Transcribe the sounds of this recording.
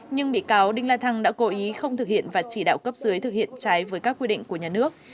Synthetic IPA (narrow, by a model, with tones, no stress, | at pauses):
ɲɨ˧ŋɓḭ˧˨kaː˨˦wɗï˧ŋlaː˧t̪ʰa˧ŋɗa̰ː˧˥ko˨˦ʔi˨˦xə˧wŋ͡mt̪ʰɨ˨˩k̚hḭ˧˨ənvaː˨˩t͡ɕi˧˩ɗa̰ː˧˨wkə˦˥p̚zɨ˨˦jt̪ʰɨ˨˩k̚hḭ˧˨ənt͡ɕaː˨˦jvəː˨˦jkaː˦˥k̚wi˧ɗḭ˧˨ŋ̟ku˧˩əɲaː˨˩nɨ˦˥ək̚